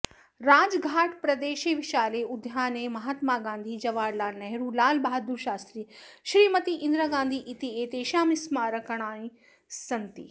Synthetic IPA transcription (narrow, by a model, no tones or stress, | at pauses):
ɾaːd͡ʒɡʱaːʈʰpɾɐd̪eːʃeʋɪʃaːleʊd̪ʱjaːnemɐɦaːt̪maːɡãːnd̪ʱid͡ʒɐʋaːɾlaːlnɐɦɾulaːlbaːd̪uɾʃaːst̪ɾiːʃɾiːmɐt̪iʔɪ̃nd̪ɾaɡãːnd̪ʱiʔɪt̪ieːt̪eːʃãːmɪsmaːɾɐkɐɽ̃aːĩ | sɐnt̪ḭ